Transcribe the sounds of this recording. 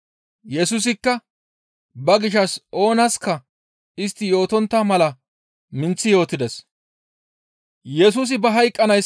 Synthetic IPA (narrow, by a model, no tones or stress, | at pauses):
jɛsus̬ɪkːɐ | bɐɡɪʃɐsʔo̞ːnɐskɐ | ɪst̪ːɪjo̞ːt̪ɔnt̪ːɐmɐlɐ | mɪnt͡sːɪjo̞ːt̪ːɪd̪ɛs | jɛsuːs̬ɪbɐɦɐjkʼːɐnɐjs